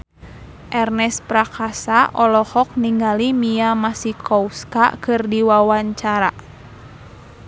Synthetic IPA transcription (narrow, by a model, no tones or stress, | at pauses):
ʔɛrnɛspɾakasaʔɔlɔhɔk̚niŋɡalimijamasikɔuska̰kɨrdiwawaɲt͡ʃaɾa